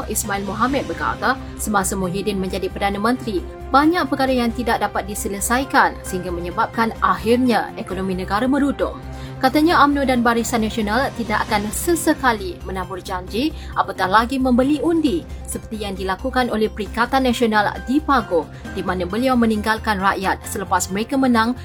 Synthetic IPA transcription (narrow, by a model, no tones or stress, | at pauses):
ismailmoɦamɛt̪̚bəka̰t̪a | səmasamoɦidɪnmə̃ɲd͡ʒadipərdanamə̃nt̪ɾi | baɲaʔ̚pəkaɾajaŋt̪idak̚dapat̪̚disələsajkansəɦiŋɡamə̃ɲəbap̚kanʔaɦirɲaekonomĩnə̃ɡaɾamə̃ɾudʊŋ | kat̪aɲãʔamnudanbaɾisanːãsionalt̪idaʔakansəsəkalimənãbʊrd͡ʒaɲd͡ʒi | ʔapakahlaɡimə̃mbəliundisəpərt̪ijaŋdilakukanolɛhpəɾikat̪anːãsionaldipaɡʊ | dimãnãbəliawmə̃nĩŋɡalkanraʔjat̪̚sələpasməɾekamənãŋ